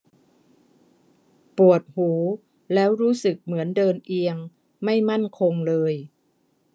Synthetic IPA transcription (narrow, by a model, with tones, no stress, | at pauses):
pu˨˩ət̪̚huː˩˦ | lɛː˦˥wɾuː˦˥sɯ˨˩k̚mɯ˩˦əndɤː˧nʔi˧əŋ | ma˥˩jma˥˩nkʰo˧ŋlɤː˧j